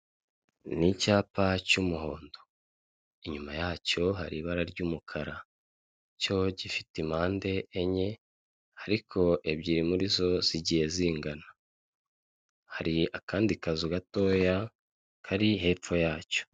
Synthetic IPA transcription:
nicaːpacumuɦo̞ːndo | iɲumajaːco̞ɦaɾiβaɾaɾɟuːmukʰaɾa | co̞ɟifitimaːnde̞ʔːɲe̞ | aɾikʰo̞ʔe̞bɟiːɾimuɾizo̞z̥iɟije̞ziːŋɡana | haɾiakaːndikazuɡato̞ːja | kʰaɾiɦe̞ːp͡fo̞jaːco̥

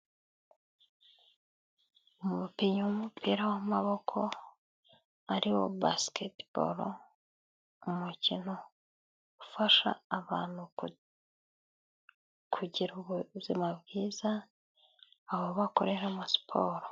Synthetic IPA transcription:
umumupiɲuwumupʰiːɾawamaβo̞kʰo̞ | aɾiwo̞̰basketb̥o̰ɾo̰ | umucino̞ | ɡufaʃa̰ːβaːn̥hu | kʰuɟiɾuβuzimabɡiːza | βoβakoɾe̞ɾamasi̥pʰoːɾo

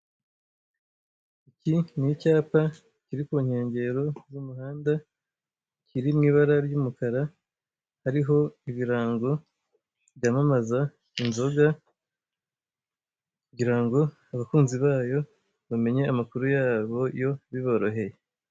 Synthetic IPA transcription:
icinicaːpa | ciɾikuɲhe̞ːɲɟe̞ɾo̞zumuɦaːnda | cʰiɾimŋiːβaɾaɾjuːmukaɾa | haɾiɦo̞iβiɾaːŋɡo̞ | βjamamaza | inzo̞ɡa | kuɟiɾaŋɡo̞ | aβakuːnziβaːjo̞ | βame̞ɲe̞amakuɾujaːβo̞jo̞βiβo̞ɾo̞ɦe̞je

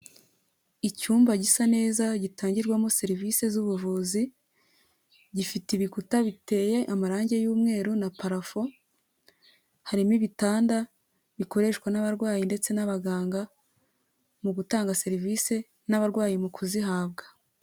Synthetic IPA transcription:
icuːmbaɟisane̞ːzaɟitaːɲɟiɾɡwamose̞ɾivise̞zuβuvuzi | ɟifitiβikutaβite̞jeʔamaɾaːɲɟe̞juːmŋe̞ːɾunapaɾafo̞ | haɾimiβitaːnda | βiko̞ɾe̞ʃkwanaβaɾɡwaːjinde̞t͡se̞naβaɡaːŋɡa | muɡutaːŋɡase̞ɾivise̞ | naβaɾɡwaːjimukʰuziɦaːbɡḁ

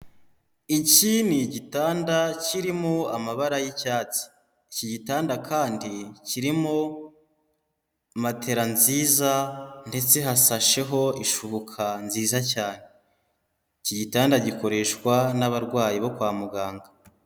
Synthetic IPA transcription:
iciniɟitaːndaciɾimoamaβaɾajicaːt͡si̥ | ciɟitaːndakʰaːndiciɾimo | matʰe̞ɾanziːzande̞t͡se̞ɦasaʃe̞ɦo̞iʃuβokʰanziːzacaːne̞ | iciɟitaːndaɟiko̞ɾe̞ʃkwanaβaɾɡwaːjiβo̞kwaːmuɡaːŋɡa

